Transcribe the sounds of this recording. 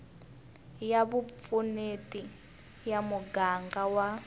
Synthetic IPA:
jaβup̪funetʼi | jamuɡaŋɡawa

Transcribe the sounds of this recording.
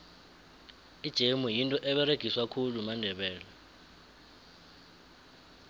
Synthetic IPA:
id̥ʒ̥ʱemujintʼɔʔɛɓɛɾeɡ̥ʱiswakʰulumandʱɛɓɛːla

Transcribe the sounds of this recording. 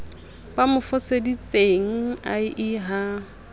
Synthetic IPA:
b̥amʊfʊsedit͡sʼeŋ̩a̰ɪʔɪɦa

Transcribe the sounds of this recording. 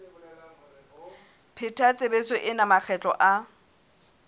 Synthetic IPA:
pʰɪtʰat͡sʼɪbet͡sɪʔɪnamak͡xʰɛt͡ɬʼɔ̰ʔa

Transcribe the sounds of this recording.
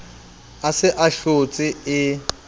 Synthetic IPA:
asɪʔaɬot͡sʼɪɪ

